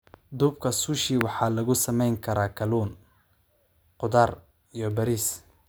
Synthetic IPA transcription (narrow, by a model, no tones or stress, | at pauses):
d̪uːb̚kʰɐsʊʃiwɑħɑːlɐɣʊsɐmɛjŋkʰɐɾaːkʰɐluːn | qʊðaːr | ijɔbɐɾiːs